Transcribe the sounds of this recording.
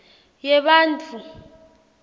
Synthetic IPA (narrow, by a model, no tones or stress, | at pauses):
jɛɓaːnd͡ɮʰʱʼu